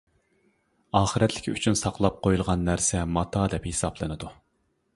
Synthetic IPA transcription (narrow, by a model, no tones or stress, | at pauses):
ɑːχəɾɛt̪ʰlɪ̥kʲy̰t͡ʃʰynsɑqlˠɑp̚qʰojulˠʁɑnːæɾsɛmɑt̪ʰɑːd̪ɛphesɑblˠɨnɨd̪u